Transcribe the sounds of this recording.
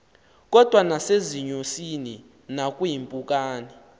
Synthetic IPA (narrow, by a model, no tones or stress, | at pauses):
k̬ʼɔd̥ʱwanaseziɲosini | nak̬ʼujimpʼuk̬ʼaːni